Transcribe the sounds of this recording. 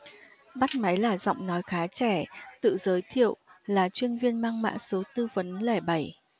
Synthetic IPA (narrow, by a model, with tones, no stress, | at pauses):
ɓa˦˥t̚ma˨˦jlaː˨˩zɔ̰˧˨wŋ͡mnɔ˨˦jxaː˨˦t͡ɕɛ˧˩t̪ɨ̰˧˨zəː˨˦jt̪ʰḭ˧˨əwlaː˨˩t͡ɕwi˧ənvi˧ənmaː˧ŋma̰ː˧˥so˨˦t̪ɨ˧və˨˦nlɛ˧˩ɓa˧˩j